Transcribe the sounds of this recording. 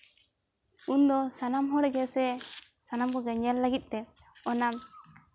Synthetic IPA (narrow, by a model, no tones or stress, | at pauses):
und̪ɔsanamɦɔɽɛɡɛsɛsanamkɔɡɛɲɛlːəɡit̪̚ˀt̪ɛ | ɔnam